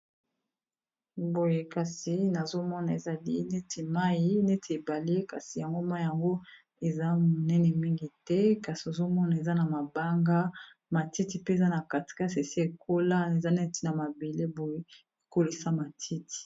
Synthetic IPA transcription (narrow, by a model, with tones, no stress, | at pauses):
bo˨je˦ka˨si˨na˨zo˦mɔ˦na˨e˨za˨li˦ne˦tʰi˨ma˦ji˦ne˦tʰi˨e˨ba˨le˦ka˨si˨ja˨ŋɡo˦ma˦i˦˨ja˨ŋɡo˦ | e˨za˦mo˨nɛ˦nɛ˨mi˦ŋɡi˨tɛ˦ka˨si˨o˨zo˦mɔ˦na˨e˨za˦na˨ma˨ba˦ŋɡa˦ | ma˨ti˦ti˨pe˦e˨za˦na˨ka˨ti̥˨ka˦se˨si˦e˨kʰo˦la˦e˨za˦nɛ˦n˦ti˦na˨ma˨be˨le˦bo˨je˦ | e˨ko˦li˨sa˦ma˨tʰi˦ti̥˨